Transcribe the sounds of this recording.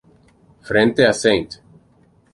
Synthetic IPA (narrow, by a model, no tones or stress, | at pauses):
fɾẽnt̪easẽjnt̪